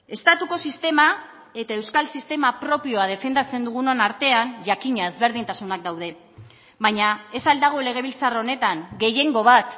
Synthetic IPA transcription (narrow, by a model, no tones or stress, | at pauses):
e̞st̪at̪uko̞sist̪e̞ma | e̞t̪ae̞wskalsist̪e̞mapɾo̞pio̞aðe̞fe̞nd̪at͡se̞nd̪uɣ̞unonaɾt̪e̞anʝakiɲaezβe̞ɾð̞int̪asunak̚d̪awðe̞ | βaɲae̞sald̪aɣ̞o̞le̞ɣ̞e̞β̞ilt͡saraone̞t̪aŋɡe̞je̞ŋɡo̞β̞at̪